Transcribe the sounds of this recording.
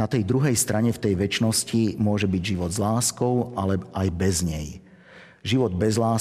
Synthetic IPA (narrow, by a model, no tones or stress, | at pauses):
at̪ɛjd̪ɾuɦɛjst̪ɾʔaɲɛft̪ɛjʋɛt͡ʃnɔscimʊɔʒɛbiɟʒiʋɔd̪zlaːskɔʊʔalɛʔajbɛzɲɛj | ʒiʋɔd̪bɛzlaː